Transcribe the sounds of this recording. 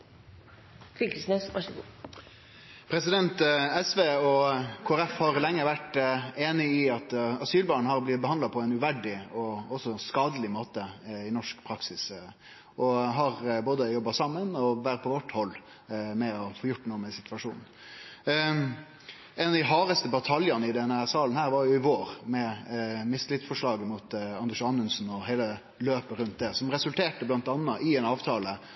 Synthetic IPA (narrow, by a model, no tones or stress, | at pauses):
fʏkəsnesʋɑʂəɡṵ | pʰɾɛsɪd̪ɛnt̪ɛsʋeːɔkʰoːæɾɛfhɑɾlɛŋːəɾʋæʈeːnɪɪɑt̪ɑsyːlbɑːɳ̩hɑɾblɪt̪̚bəhɑnlɑpʰɔɛɪnʉʋæɖɪɔɔsɔskɑːd̪əlɪmoːt̪əɪnɔʂkpʰɾɑksɪs | ʔɔɦɑɾboːd̪əjɔbːɑsɑmːənɔʋæːɾ̚pʰɔʋɔʈːhɔlː | mɛɔfoːjʊʈːnuːəmɛsɪt̪ʋɑʂuːnn̩ | ɛnɑd̪ɪɦɑːɾəst̪əbɑt̪ʰɑljɑnəɪd̪ɛnæɾsɑːlən̩hæːɾʋɑɾjʊɪʋoːɾmɛmɪslɪt̪sfɔʂɭɑːɡəmut̪ɑnd̪ɛʂʃɑnːʉnsnɔɦeːlə | løːpəɾʉnt̪̚d̪ɛsɔmɾɛsʉlt̪ʰeːʈəblɑnt̪ɑnːəʔɪɛnɑːʋt̪ʰɑːlə